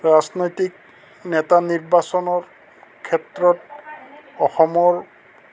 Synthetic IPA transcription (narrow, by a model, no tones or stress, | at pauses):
ɹaznojtik̚ | nɛtaniɹbasɔnɔɹ | kʰɛtɹɔt̚ | ɔxɔmɔɹ